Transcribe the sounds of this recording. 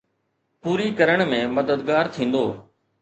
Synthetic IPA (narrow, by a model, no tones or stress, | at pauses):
puːɾikɐɾəɽ̃mẽmɐd̪əd̪ɡaːɾt̪ʰĩːnd̪oː